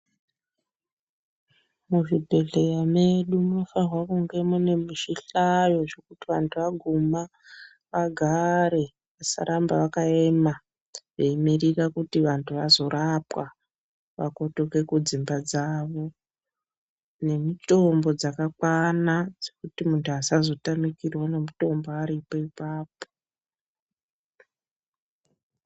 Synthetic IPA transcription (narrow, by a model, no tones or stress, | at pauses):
muʐibʱe̞ɮejame̞ɗumuno̞farwakuŋɡe̞mune̞miʃiɬajo̞ʐe̞kutiʋantʰuʋaɡʱuma | ʋaɡʱaɾe̞ | ʋasa̰ɾʔambaʋakae̞ma | ʐeimirirakutiʋantʰuʋazo̞ɾapwa | ʋa̰ko̞toke̞kud͡zimbad͡zaʋo̞ | ne̞mito̞mbo̞d͡zakakwanad͡zekutimuntʰuasazo̞tamikirwone̞muto̞mboaɾipo̞ipaːpo̥